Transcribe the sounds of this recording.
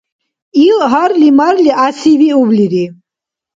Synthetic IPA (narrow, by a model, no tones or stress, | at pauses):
ilɦaɾlimaɾliʔasiviubliɾi